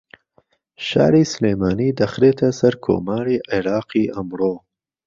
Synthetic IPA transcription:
ʃɑ̰ːɾisleːmɑːnid̪axɾet̪ʰasaɾkʰo̰ːmɑːɾiʔɪɾɑːqiamɾoː

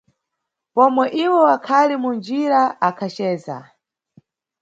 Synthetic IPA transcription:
pɔmwɛʔiwɔwakʰalimund͡ʒiɾaakʰat͡ʃɛːza̰

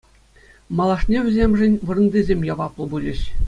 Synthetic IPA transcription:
mɑlˠɑʂnʲeʋʲɘ̆zʲemʲʐɘ̆nʲʋɯ̆rɤ̆ndʲezʲemʲjɑʋɑplˠɤ̆bulʲɘ̆ɕ

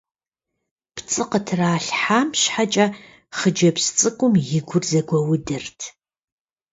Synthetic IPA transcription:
pʰt͡sʼɨqətʰraːɬħaːmɕħat͡ʃʼɐ | χəd͡ʒɐpst͡sʼɨkʷʼʊmjɪɡʷʊrzɐɡʷɐwʊdɨrtʰ

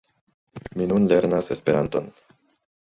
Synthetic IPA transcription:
minunle̞ɾnase̞spe̞ɾant̪o̞̰n

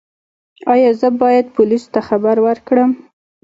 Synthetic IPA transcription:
ɑjɑzəbɑjad̪̚pʊliso̥t̪axabaɾwəɾkɽəm

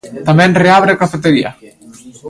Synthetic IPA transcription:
t̪amɛ̃nreaβɾeakafet̪eɾia̰

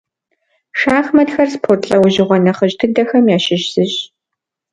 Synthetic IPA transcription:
ʂaːxmɐtxɐrspʰoːrtɬʼɐwʊʑɪʁʷɔnɐχəʑtʰɨɡ̚dɐxɐmjaːʃɪɕz̥ɨɕ

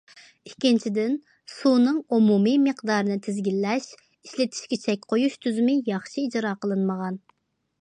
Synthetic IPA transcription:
ikʲːint͡ʃʰid̪ɪn | sunɨŋumumimɨqd̪ɑːɾɨnɨt̪ʰɪzɡʲilːɛʃ | iʃlɪt̪ʰi̥ʃkʲit͡ʃʰɛk̚ʲqʰojuʃt̪ʰyzɪmɪjɑχʃiid͡ʒɾɑːqʰəlˠɨnməʁɑn

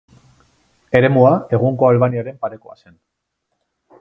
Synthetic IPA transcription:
e̞ɾe̞muae̞ɣ̞uŋko̞alβaniaɾe̞mpaɾe̞koa̰se̞n

